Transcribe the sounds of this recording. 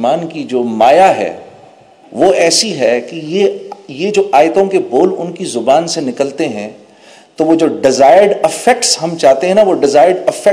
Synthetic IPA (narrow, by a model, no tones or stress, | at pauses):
maːnkid͡ʒoːmaːjaɦɛ̰ː | ʋoɛːsiɦɛkijejed͡ʒoːʔaːɪt̪õkeboːlʊnkizʊbaːnsenɪkəlt̪eɦɛ̰̃ | t̪oʋod͡ʒoːɖɪzaːɪəɾɖɪfɛk̚ʈsɦɐmt͡ʃaːɦt̪ẽɦɛ̃naʋoɖɪzaːɪəɖɪfɛ